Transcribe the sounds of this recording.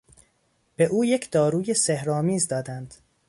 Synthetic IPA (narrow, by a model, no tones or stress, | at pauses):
b̥e̞ʔuːjecʰd̪̥ɒːɾuːjesehɾɒːmiːzd̪ɒːd̪ænd̪̥